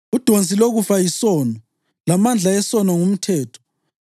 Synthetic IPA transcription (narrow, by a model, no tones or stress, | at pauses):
ud̥ʱont͡sʼiloɣufajisɔːnɔ | lamand͡ɮʱaɛsɔnɔŋum̩tʰɛːtʰɔ̥